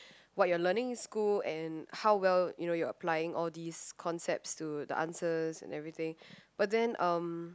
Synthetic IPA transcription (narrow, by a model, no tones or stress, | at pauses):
wɔt̚jɔlənɪ̃ŋɪ̃nskulɛ̃nhawwɛljunojɔəpʰlaɪɪ̃ŋʔɔldiskʰɔ̃nsɛp̚tstud̪ə̰ʔã̰nsəzɛ̰̃nɛvɹit̪ɪ̃ŋb̥at̚dɛ̃nʔʌ̃m